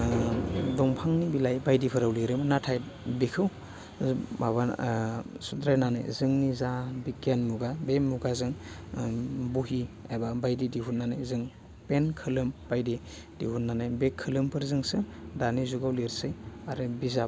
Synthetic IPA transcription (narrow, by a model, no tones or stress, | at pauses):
dɔŋpʰaŋnibilajbajdipʰɯɾawliɾɯmnatʰaj | bekʰɯw | maba | sudɾajnana̰jzɯŋnizabikianmuɡabemuɡazɯŋ | buɦia̰jbabajdidiɦunanajzɯŋ | penkʰɯlɯmbajdi | dḭhunnːanajbekʰːɯlɯmpʰɯɾzɯŋsɯdanizuɡawliɾsɯjaɾɯbiza